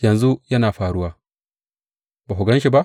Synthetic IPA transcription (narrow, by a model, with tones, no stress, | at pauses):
jɐ˨nzu˦jɐ˦naː˨ɸaː˨ɽu˦waː˦ | baː˨ɦʊ˨ɡɐ˦nʃi˨ba˦ʔ